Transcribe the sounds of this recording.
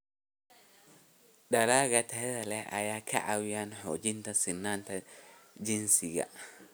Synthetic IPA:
ɗalaɡatɛɾɛlɛʔa̰jaka̰ʔawijanho̰d͡ʒintasinːantad͡ʒinsiɡa̰

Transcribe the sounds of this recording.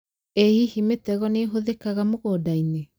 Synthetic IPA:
ehihimetɛɣɔneɦoðekaɣamoɣoːdaine

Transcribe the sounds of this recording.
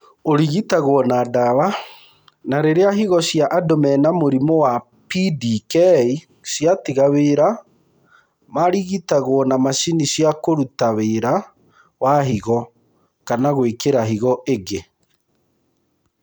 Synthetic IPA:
oɾiɣitaɣwɔnadawa | naɾeɾeaɦiɣɔsjaʔadɔmɛnamoɾimɔwa | pidikɛi | sjatiɣaweɾa | maɾiɣitaɣwɔnamaʃinisjakoɾutaweɾa | waɦiɣɔ | kanaɣwekeɾaɦiɣɔʔeɡe

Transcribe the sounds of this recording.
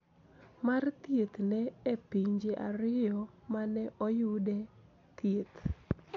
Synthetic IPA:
mart̪jet̪nɛepiɲd͡ʒeʔa̰ɾɪjɔmanɛʔɔjʊdɛ | t̪jet̪

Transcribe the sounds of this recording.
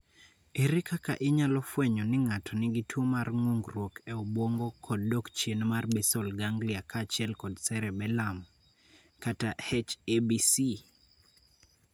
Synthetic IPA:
eɾɪkʰaka̰ʔɪɲalɔfwɛɲɔnɪŋatʰɔnɪɡitwomarŋuŋɡrwokʰɛobwoŋɡokʰɔd̚dokt͡ʃjenmarbesɔlɡaŋɡliakʰaːt͡ʃɪɛlkɔdsɛɾɛbɛlam | katahɛt͡ʃebisi

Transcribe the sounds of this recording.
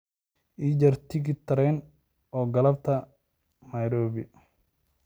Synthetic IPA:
ʔiːd͡ʒɐrt̪ʰɪɡɪt̪ʰɐɾɛn | ɔːɡɐlɐb̚t̪ʰɐ | nɐjɾɔːβɪ

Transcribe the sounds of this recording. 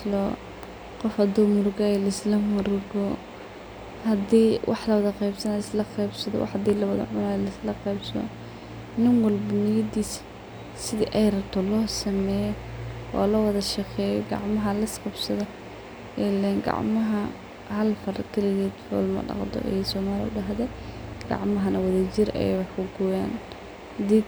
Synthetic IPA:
lɔː | qɔfhɐd̪ʊwmʊrɡɐɛjlɐɪslɐmʊɾɡɔ | hɐd̪iːwʔɑ̰ħlɐwɐðɐqɛjbsɐnɐɪslɐqɛjbsɐðɔ̰wʔɑ̰ħhɐd̪iːlɐwɐðɐ̰ʕʊnɐlɐɪslɐqɛjbsɔ̰ | nɪnwɑlbɐnɪjɐd̪iːs | sɪðiʔɛjɾɐt̪ʰɔlɔːsɐmɛːjɔʔɔ̰ːlɐwɐðɐʃɑqɛːjɔ̰ɡɑ̰ʕmɐɦɐlɐsqɑbsɐðɔ | ɛlɛnɡɑ̰ʕmɐɦɐ | hɐlfɐrkʰɐlɪɣɛːd̪fɔ̰ːlmɐ̰ɖɑ̰qd̪ɔ̰ʔɛ̰jsɔːmaːlɪʊ̰ɖɑɦðɛɡ̥ɑ̰ʕmɐɦɐnɐwɐðɐd͡ʒɪɾɛ̰jwɑħkʊɡʊja̰ːn | d̪i

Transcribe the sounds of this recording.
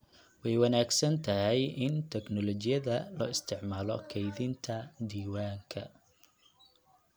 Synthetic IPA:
wɛjwɐnaːɡsɐnt̪ʰɐɦɛjʔɪnt̪ʰɛɡnɔlɔt͡ʃɪjɐðɐlɔ̰ːɪst̪ʰɪʕmaːlɔ̰kʰɛjðɪnt̪ʰɐd̪iːwaːŋkʰɐ

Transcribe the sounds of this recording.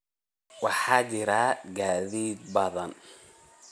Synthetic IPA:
wɑħɑːt͡ʃɪɾaːɡaːðiːd̪̚bɐðɐn

